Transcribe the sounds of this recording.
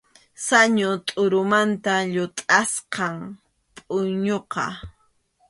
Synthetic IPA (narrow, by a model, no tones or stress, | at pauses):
saɲʊt̪ʼʊɾʊmant̪aʎʊt̪ʼasqɑŋ | pʼʊɲoqɑ̰